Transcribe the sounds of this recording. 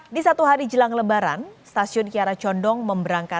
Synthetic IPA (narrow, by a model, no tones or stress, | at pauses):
disat̪uɦaɾid͡ʒəlaŋləbaɾa̰nst̪asiʊnkiaɾat͡ʃɔndɔŋməmbəɾaŋka